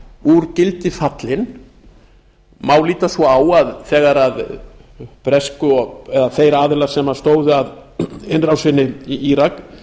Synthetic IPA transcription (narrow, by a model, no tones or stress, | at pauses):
uɾcɪlt̪ɪfat̪lɪn | maːwliːt̪asvɔaːwaðθɛːɣaɾað | pɾɛskʏɔɣɛðaθejɾaːðɪlḁsɛmast̪oːwðʏaðɪnrawsɪnːɪiiɾak